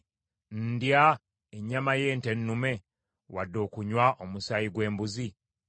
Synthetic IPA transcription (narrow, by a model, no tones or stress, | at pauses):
ndja | eɲːamaje̞ːnte̞nːume̞ | wadːo̞ːkuɲwaʔomusaiɡwe̞ːmbuzi